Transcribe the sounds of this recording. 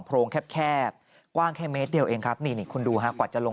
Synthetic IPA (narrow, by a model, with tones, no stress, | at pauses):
ŋpʰɾoː˧ŋkʰɛ˦˥p̚kʰɛː˥˩p̚ | kwaː˥˩ŋkʰɛː˥˩meː˦˥t̪̚di˧əwʔeː˧ŋkʰa˦˥p̚niː˧˩niː˨˩kʰu˧nduː˧ɦa˦˥kwaː˨˩t̪̚t͡ɕa˨˩lo˧